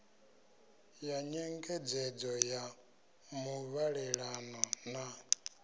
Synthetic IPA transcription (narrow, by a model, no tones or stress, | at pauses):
jaɲɛŋɡɛd͡zɛd͡zɔja | muβaɺɛɺanɔna